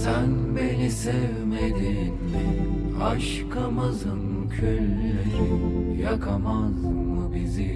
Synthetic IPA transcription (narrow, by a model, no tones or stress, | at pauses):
sænbenisɛvmed̪in | aʃ | kʰamazɯm | cʰølːynnyjakʰamazmmɯbizi